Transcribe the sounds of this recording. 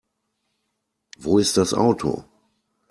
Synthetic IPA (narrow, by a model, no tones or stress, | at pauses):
voːɪst̚d̥asʔa̰ʊtʰo̰